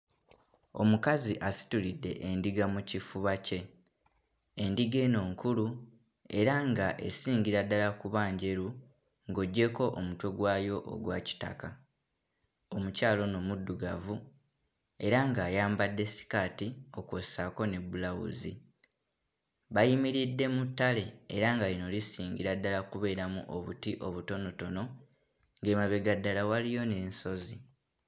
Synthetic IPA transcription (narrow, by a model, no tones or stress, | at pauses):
o̞̰mukaziʔasi̥tulidːe̞̰ʔendiɡamucifuβace̞ | ndiɡe̞ːno̞ːŋkulu | e̞ɾaŋɡaʔe̞̰siːɲɟiɾadːalakuβaːɲɟe̞ɾu | ŋɡo̞ɟːe̞ko̞ʔomutweɡwaːjo̞ʔo̰ɡwaːci̥ta̰ka | o̞mucaːlo̞no̞mudːuɡavu | e̞ɾaŋɡaːjaːmbadːe̞si̥katio̞kwosako̞ne̞bulawṵzḭ | βajimiɾidːe̞mutːale̞ːɾaŋɡaino̞lisiːŋɲɟiɾadːalakuβe̞ːɾamṵʔo̞βutiʔo̞βuto̞no̞to̞no̞ | ŋɡemaβeɡadːalawalijo̞ne̞ːnso̞zi